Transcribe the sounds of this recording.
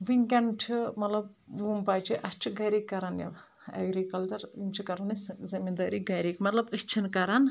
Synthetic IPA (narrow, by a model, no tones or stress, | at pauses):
ʋiŋʲkʲɐnt͡ʃʰimɐt̪lɐb̚ | mumbaːt͡ʃʰiʔɐst͡ʃʰiɡɐɾikːɐɾɐnjɐ̰ʋ | ɐ̰ɡɾikɐlʈɐɾimt͡ʃʰikɐɾɐniszɐmind̪aːɾiːɡɐɾikmɐt̪lɐbɨst͡ʃʰinkɐɾan